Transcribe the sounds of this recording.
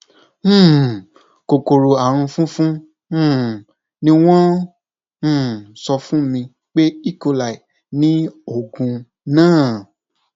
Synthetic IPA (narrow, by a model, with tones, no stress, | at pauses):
ko˨ko˨ɾo˨a˨ɾ̃ũ˧fũ˦fũ˦˨ | nĩ˦w̃ɔ̃˦˨ | sɔ˧fũ˦mĩ˧ | k͡pe˦i˦˨ko˧la˨i˨ | nĩ˨˦o˦˨ɡũ˧ | nãː˦˨